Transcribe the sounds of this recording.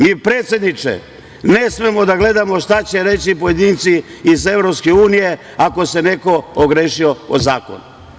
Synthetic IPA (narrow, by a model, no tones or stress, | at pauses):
miːpɾe̞ːt̪sʲje̞d̪nit͡ʃḛ | ne̞sme̞mo̞d̪aɡle̞d̪amo̞ʃt̪at͡ɕe̞ɾe̞t͡ɕipoje̞d̪iːnt̪siːze̞vɾopske̞uːnije̞ | ako̞se̞ne̞ko̞oɡɾeʃioo̰zaːko̰nu